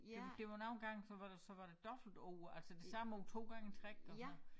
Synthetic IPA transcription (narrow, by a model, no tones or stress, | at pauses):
ed̥e̝ʋɑnɑ̈ʊnɡ̥ɑ̈ŋ̰sɒ̽ʋɑ̈desɒ̽ʋɑ̈ɾ̥e̝d̥ɒ̽b̥l̩d̥ɔʊælsəd̥esɑ̈mɒʊt͡sʰo̝̰ːɡ̥ɑ̈ŋ̰ət͡sʰʁɛɡ̥̚d̥ɒɒ